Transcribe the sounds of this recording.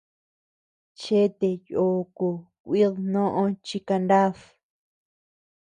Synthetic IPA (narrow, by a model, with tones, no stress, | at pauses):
t͡ʃe˦t̪e˧jo˨ko˧kʷi˦ðnõ˦ʔõ˧t͡ʃi˧ka˧nd̪a˦ð